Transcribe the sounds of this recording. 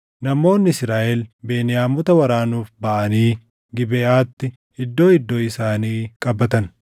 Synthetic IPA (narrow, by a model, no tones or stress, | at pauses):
nɐmo̞ːnːɪɪsɾaːʔɛlbeːnɪjaːmɔt̪ɐwɐɾaːnuːfbɐʔɐniː | ɡɪbɛʔaːt̪ːɪ | ɪd̪ːo̞ːɪd̪ːo̞ːɪsaːniːkʼɐbːɐt̪ɐn